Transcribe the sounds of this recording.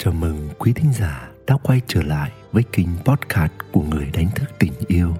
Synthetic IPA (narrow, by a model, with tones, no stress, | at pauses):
t͡ɕəː˧˩mɨ˨˩ŋkwi˨˦t̪ʰï˨˦ŋ̟zaː˧˩ɗa̰ː˧˥kwa˧jt͡ɕəː˧˩la̰ː˧˨jvəː˨˦jkï˧ŋ̟pɔ˦˥t̚kʰaː˦˥t̚ku˧˩əŋɨ˨˩əjɗa˨˦jŋ̟t̪ʰɨ˦˥k̚t̪ï˨˩ŋ̟ʔi˧əw